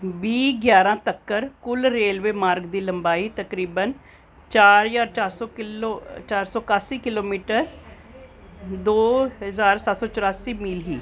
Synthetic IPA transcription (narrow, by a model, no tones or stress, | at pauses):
biːɡjaːɾãːt̪əkːəɾkʊlɾeːlʋeːmaːɾɡd̪iːləmbaːiːt̪əkɾiːbən | t͡ʃaːɾɪzaːɾt͡ʃaːɾsɔːkot͡ʃaːɾsɔːɪkaːsiːkɪloːmiːʈəɾ | d̪oːɦəzaːɾsət̪sɔːt͡ʃʊɾaːsiːmiːlɦiː